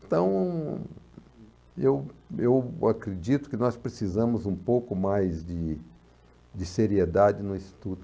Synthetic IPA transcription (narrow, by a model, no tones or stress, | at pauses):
ẽt̪ɐ̃w̃ | ewewakɾed͡ʒit̪ʊ̥kɪnɔspɾesizɐ̃mʊzũpowkʊmajzd̪ɪ | d͡ʒ̪ɪseɾied̪ad͡ʒɪnʊĩst̪i̥t̪ut̪ʊ